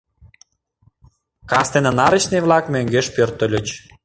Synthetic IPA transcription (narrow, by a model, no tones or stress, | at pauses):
kɑst̪enə̆nɑɾə̆t͡ɕnevlɑkmøŋɡeʃpørt̪ə̆lʲət͡ɕ